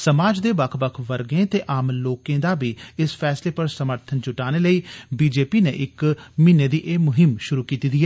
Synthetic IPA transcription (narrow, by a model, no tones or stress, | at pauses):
səmaːd͡ʒd̪eːbəkʰbəkʰʋəɾɡẽːt̪eːʔaːmloːkẽːd̪aːbiːɪsfʰɛːsleːpəɾsəməɾt̪ʰənt͡ʃʊʈaːneːləiːbiːd͡ʒeːpiːnḛːʔɪkmɪneːd̪iːʔeːmʊɦɪmʃʊɾuːkiːt̪iːd̪iːɛː